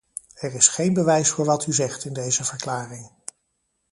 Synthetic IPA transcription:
ɛɹɪsχejnbəʋɛjsfʊːɹʋɑtʰyzɛχtɪndejzəvəɹklaːrɪŋ

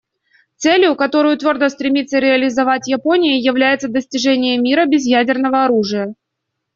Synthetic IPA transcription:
t̪sɛlʲjʊkɐt̪o̞ɾɨjʊt̪vʲo̞rd̪əst̪ɾʲɪmʲit̪sːəɾʲɪɐlʲɪzɐvatʲjɐpo̞nʲɪjəjɪvlʲæjɪt̪səd̪əsʲtʲɪʐɛnʲɪjəmʲiɾəbʲɪzjædʲɪrnəvəɐɾuʐɨjə

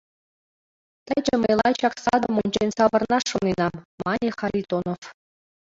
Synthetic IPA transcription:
t̪əjd͡ʑə̆mʲeɤ̰̆jlˠɑjt͡ɕɑksɑd̪ə̆munʲd͡ʑenʲsɑʋɤ̆rnɑʂŏninɑmɑnʲiχɑɾʲit̪onof

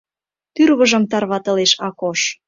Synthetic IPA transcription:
t̪yrβɤ̆ʒɤ̆mt̪ɑrβɑt̪ɤ̆leʃɑkoʃ

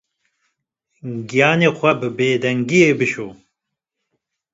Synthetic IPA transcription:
ɡijɑːneːxʷɐbɨbeːd̪ɛŋɡijeːbɨʃoː

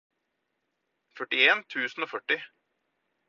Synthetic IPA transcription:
fœʈːɪeːnt̪ʰʉːsn̩oːfœʈːɪ

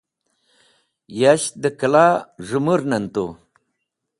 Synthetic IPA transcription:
jaɕd̪əkəlaʐumuɾnɐnt̪o̰

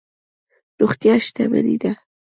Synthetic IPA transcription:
ɾuxt̪jɑʃt̪aba̰ɾḭd̪a

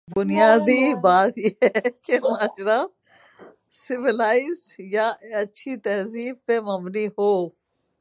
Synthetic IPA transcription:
bʊnɪjaːd̪ibaːt̪jeɛkemaːʃɾa | sɪʋɪlaːɪzʈjaɐtːʃʰit̪ɛːziːbpemɐmniɦoː

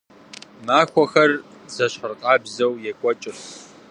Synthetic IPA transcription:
maːxʷɔxɐr | zɐɕħərqʼɑːbzɐwjɛkʷʼɔt͡ʃʼɪs

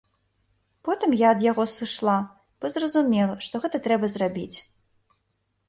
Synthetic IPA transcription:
pɔt̪ɨmjaɐd̪jaɣɔsɨʂlˠa | b̥ɔzrɐzumʲɛlˠɐʂt̪ɔɣɛt̪ɐt̪ɾɛbɐzrabʲit͡sʲ

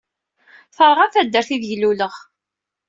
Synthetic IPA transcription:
θəɾˤʁafæd̪ːəɾθiðʝluləʁ

